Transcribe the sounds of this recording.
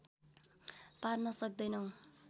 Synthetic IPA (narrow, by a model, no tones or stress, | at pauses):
parnʌsʌk̚d̪ʌjnʌw